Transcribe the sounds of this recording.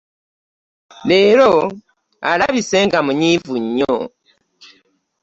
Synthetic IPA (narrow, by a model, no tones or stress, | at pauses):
le̞ːɾo | a̰laβise̞ŋɡamuɲiːvuɲːo